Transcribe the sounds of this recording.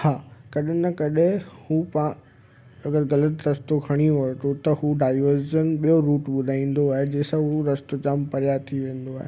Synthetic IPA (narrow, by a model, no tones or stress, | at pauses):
haːkɐɗɪnəkɐɗɪ̃hupã | ɐɡəɾɣɐlət̪ɾɐst̪okʰɐɽ̃iɦot̪ot̪ɐhuɖaːɪʋəɾzənɓijoɾuːʈɓʊd̪ʱaːĩːn̆d̪oaːɦed͡ʑeːsɐʊuɾɐst̪ot͡ɕampɐɾjat̪ʰiʋẽːn̆d̪oaːɦḛ